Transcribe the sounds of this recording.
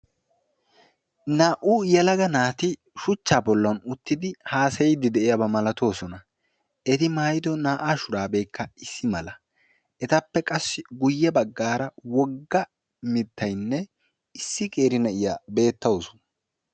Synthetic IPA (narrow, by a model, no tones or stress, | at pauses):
naːʔujɛlɐɡɐnaːt̪ɪ | ʃʊt͡ʃːaːbɔlːɐnʊt̪ːɪd̪ɪhaːsɐjɪd̪ɪd̪ɛʔɪjɐbɐmɐlɐt̪o̞ːsɔnɐ | ɛt̪ɪmaːjɪd̪ɔnaːʔaːʃʊɾaːbe̞ːkːɐɪsːɪmɐlɐ | ɛt̪ɐpːɛkʼɐsːɪɡʊjːɛbɐɡːaːɾɐwɔɡːɐ | mɪt̪ʰːɐjnːɛ | ɪsːɪkʼe̞ːɾɪnɛʔɪjaːbe̞ːt̪ːɐwosɔ̥nɐ